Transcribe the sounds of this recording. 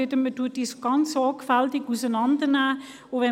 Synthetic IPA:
ɪtəməduət̚disoɡɑnsɔːkfæltɪkusənɑndənæː | oʋɛ

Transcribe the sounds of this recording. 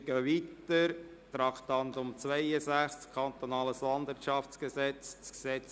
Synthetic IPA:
ɡ̥əːʋiːt̪əɾt̪ɾɑkt̪ɑnt̪ʊmt͡sʋɛɪəsæχskʰɑnt̪onɑːləslɑnd̪vɪɾtʃɑft͡skəsɛt͡st͡sksɛt͡s

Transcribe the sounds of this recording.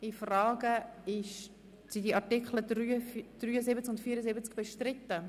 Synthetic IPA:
ifrɑːɡəɪʃ | sidiʔɑtɪkχlədryd̥ryːəzɪbət͡skʊntfiːɾəzɪbət͡skb̥ɛʃtrɪtːə

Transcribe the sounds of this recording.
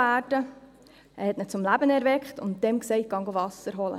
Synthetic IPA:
æːdə | ɛhɛtnət͡sʊmlæbənɛɾvɛkχtʊntd̥ɛmksɛɪt̚ɡ̥ɑŋɡovɑsəɾɦɔlə̰

